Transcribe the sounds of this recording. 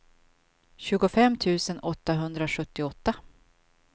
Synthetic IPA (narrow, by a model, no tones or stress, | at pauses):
ɕʉ̟ːɡʊfɛmːt̪ʰʉ̟ːsənɔt̪ːaɦɵnd̪ɾaɧɵt̪ːɪɔt̪ːa